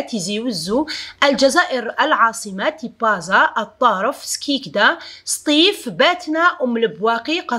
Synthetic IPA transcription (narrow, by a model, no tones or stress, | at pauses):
t̪iziwəzːuʔælʒæzæʔəɾəlʕɑsˤəmat̪ipːɑzɑʔt̪ˤːɑɾˤəfskʰikd̪æst̪ˤifbæt̪næʔʊmləbwæqiqɑ